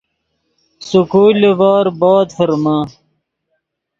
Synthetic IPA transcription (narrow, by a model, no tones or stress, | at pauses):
sukuːlevaːɾbaːd̪fɐɾma